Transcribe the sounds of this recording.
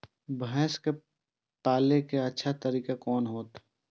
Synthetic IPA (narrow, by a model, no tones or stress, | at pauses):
bʱɛ̃ːske | paːlekeɐtːʃʰat̪əɾiːkakɔːnɦoːt̪